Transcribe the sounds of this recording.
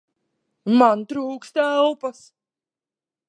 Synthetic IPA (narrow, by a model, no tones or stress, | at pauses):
mant̪ɾuːkst̪ælˠpas